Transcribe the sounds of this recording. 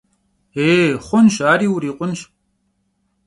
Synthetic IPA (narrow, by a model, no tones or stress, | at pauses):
eːχʷʊnʃaːɾiːwɾiːqʷʼʊnʃ